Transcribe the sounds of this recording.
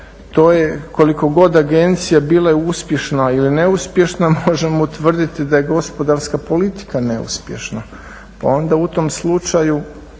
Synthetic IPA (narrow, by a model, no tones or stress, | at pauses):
t̪o̞ːjeko̞liko̞ɡo̞d̪aɡe̞nt̪sijabiːlˠajeuspje̞ʃnailine̞uspje̞ʃnamo̞ʒe̞mot̪ʋr̩d̪it̪id̪aje̞ɡo̞spo̞d̪aɾskapo̞lit̪i̥kane̞ṵspjeʃna | pa̰o̞nd̪aut̪o̞mslˠut͡ʃaju